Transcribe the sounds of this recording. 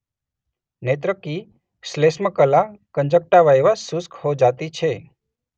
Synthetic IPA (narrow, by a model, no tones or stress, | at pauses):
net̪ɾəki | slesməkəlakəɲd͡ʒək̚ʈaʋaeʋasuskhod͡ʒat̪it͡ʃʰe